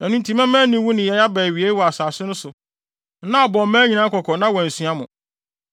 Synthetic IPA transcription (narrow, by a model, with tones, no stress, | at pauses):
nã˨nũ˦n̩˦tʰĩ˦mã˦mæ̃˦nĩ˦wu˦nɪ̃˨jɛ˨ja˦bɛ˨ɥi˨e˦wɔ˨a˨saː˨sɪ˦nʊ̃˦sʊ˨˦ | nã˦˨bɔ˨m˦mæ̃ː˦ɲĩ˨nã˨˦kʰɔ˨kʰɔ̃˨nã˦wɔ̃˨n̩˨sɥa˦mʊ̃˨